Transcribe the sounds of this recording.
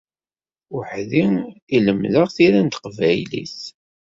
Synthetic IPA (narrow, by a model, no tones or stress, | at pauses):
ʊħðiiləmðəʁθiɾænt̪ə̥qvæjlḭθ